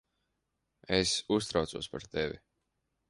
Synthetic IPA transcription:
esust̪ɾawt̪suɔspaɾt̪evḭ

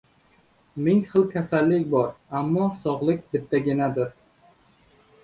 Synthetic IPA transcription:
mɪŋχɨlˠkʲʰasalːɪkʲbɒɾamːɒsɒʁlˠɪkʲbɪt̪ʰːaɡʲɪnad̪ɪɾ

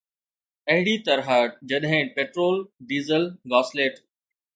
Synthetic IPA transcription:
ɐɦɪɽit̪ɐɾɦad͡ʑɐɗɦɪ̃peːʈɾoːlɖiːzəlɡɔːsleːʈ

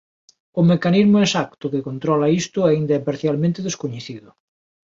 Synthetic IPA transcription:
ʊmekanizmʊesakt̪ʊkekont̪ɾɔlaist̪ʊaind̪ɐɛpaɾθjalmẽnt̪eðeskoɲeθiðʊ

